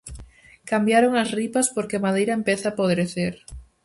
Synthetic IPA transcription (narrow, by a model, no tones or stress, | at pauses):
kambjaɾoŋasripaspoɾkemaðejɾaempeθapoðɾeθeɾ